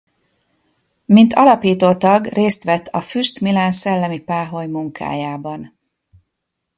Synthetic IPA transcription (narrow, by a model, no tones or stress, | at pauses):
mint̪ʰɒlɒpiːt̪oːt̪ɒɡrʔeːst̪ʋɛt̪ʰːɒfyʃt̪milaːnsɛlːɛmipaːɦo̞jmuŋkʰa̰ːjaːbɒn